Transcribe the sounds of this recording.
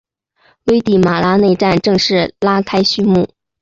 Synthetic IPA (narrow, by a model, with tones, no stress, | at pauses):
we˥ɪt̪i˥˩ma˨˩la˥ne˥˧ɪʈ͡ʂa˥˧nʈ͡ʂɤ˥˧ŋʂɻ̩˥˩la˥kʰa˥ɪɕy˥mu˥˩